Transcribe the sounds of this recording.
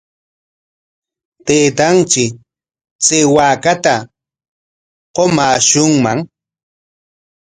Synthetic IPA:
t̪eːt̪ant͡ʃɪ | t͡sewaːkat̪a | qomaːʃʊŋmaŋ

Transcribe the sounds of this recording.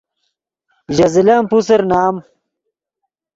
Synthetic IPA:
ʑɐzilɐmpuseɾnaːm

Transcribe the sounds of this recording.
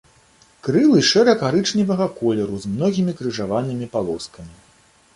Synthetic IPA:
kɾɨlˠɨʂɛɾɐkaɾɨt͡ʂnʲivɐɣɐkɔlʲɛɾuzmnɔɣʲimʲikɾɨʐavanɨmʲipalˠɔskɐmʲi

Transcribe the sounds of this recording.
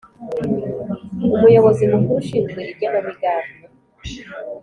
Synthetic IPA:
umujoβozimukuɾuʃizɡweiɟenoβuɟaːmɡi

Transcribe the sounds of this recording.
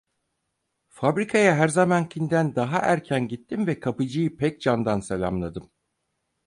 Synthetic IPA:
fabɾikʰajaɦæɾzamankʰind̪ænd̪aɦaʔæɾcʰænɟit̪ʰːimvɛkʰapɯd͡ʒɯjɯpʰɛc̚d͡ʒand̪anselʲa̰mlˠad̪ɯm

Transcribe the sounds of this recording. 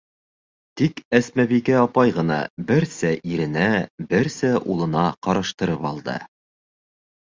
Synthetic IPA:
t̪ikæsmæβikæɑpɑjʁɤ̆nɑ̰bɘɾsæʔiɾɘ̆næbɘɾsæʔulˠɤ̆nɑqɑɾɑʃt̪ɤ̆ɾɤpɑlˠd̪ɤ̰

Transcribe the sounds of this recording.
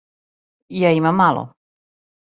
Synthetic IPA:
jaimamːalˠo̰

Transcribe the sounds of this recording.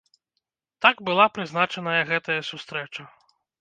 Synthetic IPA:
t̪aɡbɨlˠapɾɨznat͡ʂɐnɐjɐɣɛt̪ɐjɐsʲust̪ɾɛt͡ʂɐ

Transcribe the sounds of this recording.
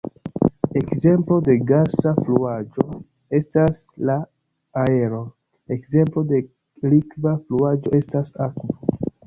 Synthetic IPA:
e̞kze̞mplo̞de̞ɡasafluad͡ʒo̞ | e̞stas | laː | e̞ɾo̞ | ekze̞mplo̞de̞ | likvafluad͡ʒo̞e̞stasakvo

